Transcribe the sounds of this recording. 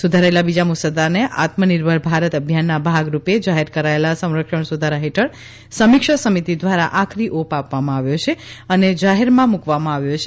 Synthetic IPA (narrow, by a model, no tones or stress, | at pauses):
sud̪ʱaɾaelabid͡ʒamusəd̪aneʔa̰t̪məniɾbʱəɭbʱaɾət̪əbʱjanːabʱaɡɾuped͡ʒaɦeɾkəɾaelasə̃w̃ɾəkʃəɳsud̪ʱaɾaɦeʈʰəɭ | səmɪkʃəsəmit̪id̪ʋaɾaʔakʰɾiʔopapʋamãaʋjot͡ʃʰeəned͡ʒaɦɛɾmãmukʋamãaʋjot͡ʃʰe